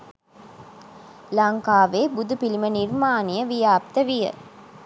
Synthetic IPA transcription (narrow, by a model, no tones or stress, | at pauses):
laŋkaːʋeːbud̪upilimənirmaːnijəʋijaːp̚t̪əʋijə̰